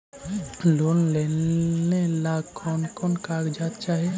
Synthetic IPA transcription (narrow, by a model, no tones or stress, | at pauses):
lonlenelaɡkʰɔnkɔnkaɡd͡ʒat̪t͡ʃaːɦi